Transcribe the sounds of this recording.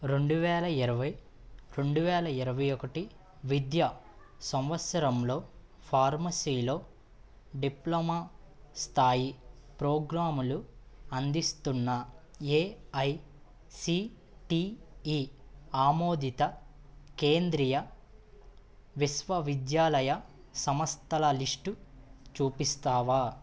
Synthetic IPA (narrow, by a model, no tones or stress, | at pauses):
ɾe̞ɳɖuʋɛːlɐiɾɐʋɐj | ɾe̞ɳɖuʋɛːlɐiɾɐʋɐjɔkɐʈi | ʋid̪jɐ | sɐmʋɐt̪sɐɾɐmlo̞ː | pʰaːɾmɐsiːlo̞ː | ɖiplomaːst̪ʰaːjipɾoːɡɾaːmuluɐnd̪ist̪unːɐeːɐj | si | ʈiiːaːmoːd̪it̪ɐ | ke̞ːnd̪ɾijɐ | ʋisʋɐʋid̪jaːlɐjɐ | sɐmɐst̪ʰɐlɐliʂʈut͡ʃuːpist̪aːʋaː